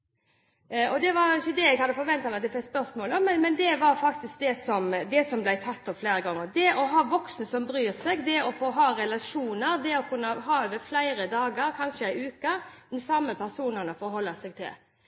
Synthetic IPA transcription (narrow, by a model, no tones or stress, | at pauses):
ʔɔd̪ɛʋɑɾɪçːəd̪ɛɛɪɡhɑd̪ːəfɔɾʋɛnt̪ɑmɛɑt̪d̪ɛfɛkspœɾsmoːlmɛnmɛnd̪ɛʋɑɾfɑk̚t̪ɪsk̚d̪ɛsɔmd̪ɛsɔmblæɪt̪ʰɑt̪ːɔfleːɾəɡɑŋːəɾd̪ɛʔɔɦɑːʋɔksn̩əsɔmbɾyːɾsɛɡd̪ɛɔfoːɦɑːɾɛlɑʂuːnəɾd̪ɛɔkʰʉnːəɦɑːøːʋəɾflæɪɾəd̪ɑːɡəɾkʰɑnʂəæɪʉːkəd̪ɛnsɑmːəpʰæɾsuːnəɾnəfɔɾhɔlːəsɛɡ̚t̪ʰɪ̰l